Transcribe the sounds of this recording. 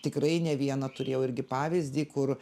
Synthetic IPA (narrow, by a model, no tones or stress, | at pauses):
t̪ʲɪkrɐɪnʲɛʋʲiɛnɐt̪ʊɾʲeːjɛʊɪɾʲɡʲɪpɑːʋʲɪzʲd̪ʲiːkʊr